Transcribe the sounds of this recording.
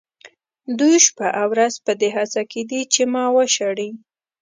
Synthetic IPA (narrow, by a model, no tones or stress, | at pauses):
d̪ujʃpaʔawɾazpəd̪eɦasaked̪it͡ʃemɑwəʃaɽi